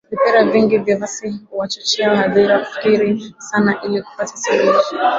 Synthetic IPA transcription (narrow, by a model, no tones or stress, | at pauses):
vipɛɾaviŋɡivjavasiuwat͡ʃat͡ʃɛaɔhaðiɾakufi̥kiɾisanaʔiliku̥patḁsɛlii